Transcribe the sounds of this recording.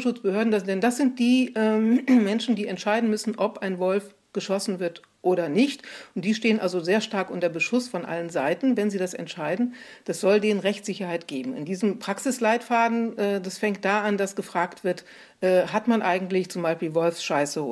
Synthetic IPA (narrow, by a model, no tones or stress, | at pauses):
ʃʊt͡sb̥əhøːɐdn̩ddɛndasz̥ɪnt̚d̥iːʔɛːmɛnʃn̩diːɛntʃaɪdn̩mʏsn̩ʔɔpʔaɪnvɔlf | ɡ̥əʃɔsn̩vɪɐt | ʔoːɾɐnɪçtʔʊntd̥iːʃteːənʔalzozeːɐʃtaɐkʔʊntɐbəʃʊsfɔnʔa̰lənzaɪtn̩vɛnziːdasɛ̰ntʃaɪdn̩d̥asz̥ɔldeːnənʁɛçt͡sz̥ɪçɐhaɪtɡ̥eːbm̩ɪ̰ndiːzəmpʁ̥aksɪslaɪtfaːdn̩ʔɛːdasfɛŋkt̚d̥aːandasɡ̥əfʁ̥aːktv̥ɪɐt | ʔɛːhatmanʔaɪɡŋ̩tlɪçt͡sʊmbaɪlʃpiːlvɔlfsʃaɪsə